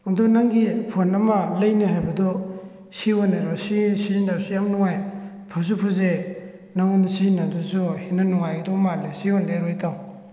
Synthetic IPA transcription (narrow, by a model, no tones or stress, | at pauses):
adɔnaŋɡipʰonamalajneɦajbɐdɔ | siwɔneɾɔsisindasujamnuŋaj | pʰas̬upʰuze | naŋɔnsinadɔsuhinanɔŋajɡdɔmalesiwɔndeɾɔjtaŋ